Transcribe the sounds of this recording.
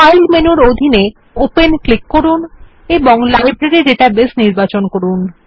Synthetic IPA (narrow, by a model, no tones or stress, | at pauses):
ajlmenuɾod̪ʱine | openklikːoɾun | eboŋlajbɾeɾiɖeʈabesniɾbat͡ɕonkoɾun